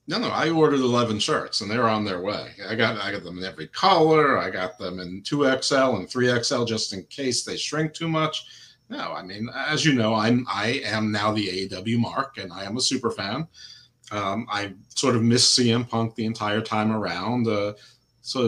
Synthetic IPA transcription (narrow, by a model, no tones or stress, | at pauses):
noʊnoʊa̰ɪɔɹɾə˞ɾəlɛvɨ̃nʃɜ̰˞tsə̃nðə˞ə̃nðə˞weɪaɪɡɑɾaɪɡɑt̪̚ð̃mɨ̃nɛvɹikʰɑlˠə˞aɪɡɑt̪̚ðə̃mɨ̃ntʰuɛksɛlˠə̃nθɹiɛksɛlˠd͡ʒʌstɨ̃nkʰeɪsðeɪʃɹ̥ɪ̃ŋk̚tʰʉmʌt͡ʃ | noʊa̰ɪmĩnɨzjɨnoʊãɪ̃mʔa̰ɪɨ̃mnaʊðieɪdʌbl̩ˠjʉmɑ̰ɹkɨ̃naɪɨ̃məsʉpə˞fæ̃n | ʌ̃ma̰ɪsɔɹɾʌvmɪssiɨ̃mpʰʌ̃ŋk̚ðiɨ̃ntʰaɪə˞tʰãɪ̃mə˞ãʊ̃ndʌ | soʊ